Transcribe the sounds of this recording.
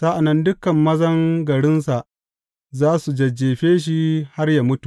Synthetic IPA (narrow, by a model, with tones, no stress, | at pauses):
sa˦ʔa˨nːɐ˦ndʊ˦kɐ˨mːɐ˦zɐ˦ŋɡɐ˨ɽɪ˦nsa˨ʔ | zaː˦su˨d͡ʒɐ˨d͡ʒːeː˨ɸeː˦ʃ̬i˦ha˦rja˨mʊ˦tu̥˨